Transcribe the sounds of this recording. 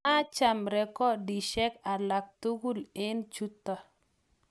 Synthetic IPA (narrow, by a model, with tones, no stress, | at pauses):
a˦t͡ʃa˨mɾɛ˨kɔ˦di˨ʃɛ˦ka˨la˨k̚t̪u˦ɡu˦˨le˦nt͡ʃu˦t̪ɔ˦